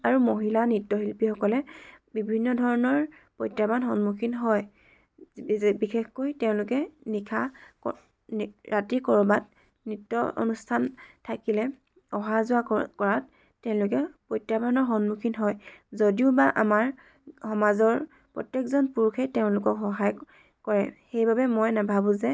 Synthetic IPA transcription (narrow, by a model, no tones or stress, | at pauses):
aɹumoɦilanitːɔɦilpixɔkɔlɛbibʱinːɔdʱɔɹɔnɔɹ | pɔjtɹabanxɔnmukʰinɦɔj | bixexkojtɛʊ̃lʊkɛnikʰakɔ | ɹatikɔɹɔbat̚ | nitːɔʔo̰nustʰantʰakilɛ | ɔɦazʊakɔɹat̚ː | ɛʊ̃lʊk̬ɛpɹɔjtabʱanɔɹxɔnmukʰinɦɔjzodiʊbaʔa̰maɹ | xɔmazɔɹ | pɹɔ̰tːjekzɔnpuɹukʰejtɛʊ̃lʊkɔkxɔɦaj | kɔɹɛxejbabɛmojnabʱabũzɛ